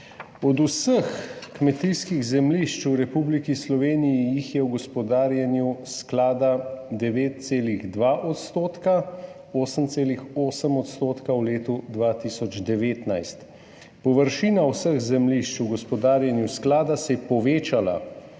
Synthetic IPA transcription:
ɔd̪usəxkmɛt̪iskiɣzɛmliʃt͡ʃuɾɛpublikislɔʋeːnijijixjɛwɡɔspɔd̪aːɾjanjusklaːd̪ad̪ɛʋeːt̪̚t̪seːliɣd̪ʋaːʔɔt̪st̪oːt̪ka | oːsəmt̪seːlixoːsəmɔt̪st̪oːt̪kawleːt̪ud̪ʋaːt̪isɔd͡ʒd̪ɛʋeːt̪najst̪ | pɔʋəɾʃiːnawsəɣzɛmliʃt͡ʃuɡɔspɔd̪aːɾjanjusklaːd̪asɛpɔʋeːt͡ʃala̰

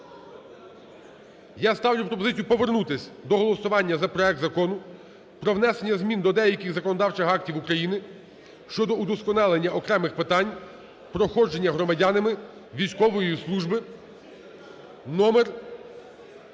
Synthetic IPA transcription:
jast̪ɑwlʲʊpɾɔp̬ɔzɪt͡sʲijupɔʋernut̪ɪsʲd̪ɔɦɔlˠɔsʊʋɑnʲːɐzɐpɾɔɛk̚t̪zɐkɔnʊ | pɾɔwnɛsenʲːɐzmʲind̪ɔd̪ɛjɐkʲɪɣzɐkɔnɔd̪ɑwt͡ʃɪxɑk̚tʲiwukɾɐjinɪ | ʃt͡ʃɔd̪ɔud̪ɔskɔnɑlˠenʲːɐʔɔkɾɛmɪxpɪt̪ɑnʲ | pɾɔxɔd͡ʒenʲːɐɦɾɔmɐdʲanɪmɪ | ʋʲijsʲkɔʋɔjislˠuʒbɪ | nɔmer

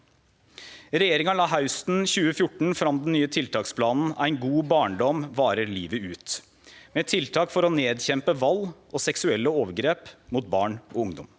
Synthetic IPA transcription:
ɾɛjeːɾɪŋɑlɑːɦɑʉst̪n̩çʉːəfjʊʈɳ̩fɾɑmd̪n̩nyːət̪ʰɪlt̪ʰɑːkspʰlɑːnn̩æ̰ɪnɡuːbɑːɳɖɔmʋɑːɾəɾliːʋəʉːt̪ | meːt̪ʰɪlt̪ʰɑːkfɔɾɔneːd̪çɛmpəʋɑlːʔɔsɛksʉɛlːəoːʋəɾɡɾeːpmʊt̪̚bɑːɳɔʊŋd̪ɔm

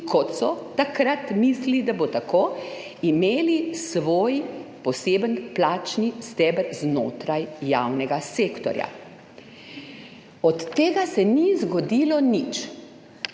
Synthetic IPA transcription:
kʰɔt̪sɔt̪akɾat̪mislid̪abot̪akoː | imeːlisʋoːjpɔseːbənplaːt͡ʃnist̪ɛːbəɾzno̰ːt̪ɾajːaːwnɛɡaseːkt̪ɔ̰ɾja̰ | ɔt̪ːeːɡasɛnizɡɔd̪ilɔnit͡ʃ

